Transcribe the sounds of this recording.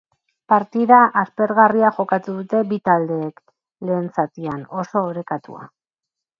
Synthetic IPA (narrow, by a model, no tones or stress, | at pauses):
paɾt̪iðaʔaspe̞ɾɣariaxo̞kat̪uðut̪e̞bit̪ald̪e̞ːk | le̞ːnt͡sat̪iano̞so̞ːɾe̞kat̪ṵa̰